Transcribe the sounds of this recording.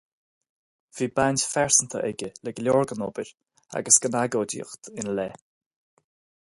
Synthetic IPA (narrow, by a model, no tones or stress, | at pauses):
v̥iːbanʲtfɛɹsənt̪ʰə̰ʔɛɡʲələɡlʲɔːɹɡənɔbəɾ | a̰ɡəsɡ̥ənaɡoːdḭːxt̪ʰɪnlɛ